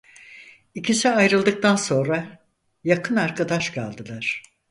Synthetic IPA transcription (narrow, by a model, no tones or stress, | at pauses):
icʰisiajɾɯlˠd̪ɯk̚t̪ʰanso̞nɾa | jakʰɯnaɾkʰad̪aʃkʰa̰lˠd̪ɯlˠaɾ̥